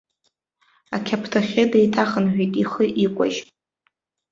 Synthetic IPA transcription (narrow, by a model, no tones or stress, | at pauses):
akʲʰapʰtʰaχʲɪdejtʰaχənħʷᶣejtʼiχəʔikʷʼa̰ʒ